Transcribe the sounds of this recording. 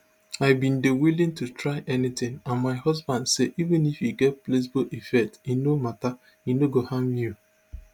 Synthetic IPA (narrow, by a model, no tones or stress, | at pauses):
aɪbĩndewilɪ̃ŋtutɾaɪʔɛnɪt̪ɪ̃ŋãnmaɪhʌzbãndseʔivɪ̃nifiɡɛt̚ples̬boʔifɛk̚tinomata | inoɡohãmju